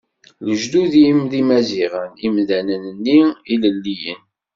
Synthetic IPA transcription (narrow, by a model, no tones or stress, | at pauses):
ləʒd̪uðimðimæziʁənimðænənənːiiləlːijə̰n